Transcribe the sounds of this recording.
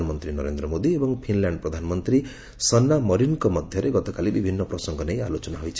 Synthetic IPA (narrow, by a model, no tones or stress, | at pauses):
nmʌnt̪rinʌɾend̪rʌmod̪iebʌŋpʰinljaɳɖ̚prʌd̪ʱanmʌnt̪ri | sʌnːamʌɾinkomʌd̪ʱjʌɾeɡʌt̪okalibibʱinːʌprʌsʌŋɡʱʌnʌja̰lot͡sʌnaɦojt͡sʰ